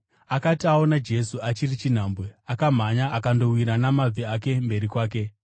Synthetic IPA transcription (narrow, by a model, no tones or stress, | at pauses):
akatiao̞nad͡ʒe̞suat͡ʃirit͡ʃin̤aːmbwe̞akam̤aɲaːkando̞wiɾanamab͡viake̞mbe̞ɾikwaːk̬e̞